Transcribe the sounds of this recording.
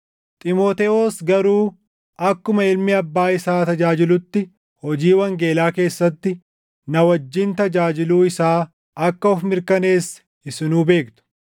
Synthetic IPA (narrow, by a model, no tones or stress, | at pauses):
t̪ʼɪmoːt̪ɛʔoːsɡɐɾuː | ɐkːʊmɐɪlmɪɐbːaːɪsaːt̪ɐd͡ʒaːd͡ʒɪlʊt̪ːɪ | hɔd͡ʒiːwɐŋɡe̞ːlaːke̞ːsːɐt̪ːɪ | nɐwɐd͡ʒːɪnt̪ɐd͡ʒaːd͡ʒɪluːɪsaː | ɐkːɐɔfmɪɾkɐneːs | ɪsɪnuːbe̞ːkt̪ʊ̥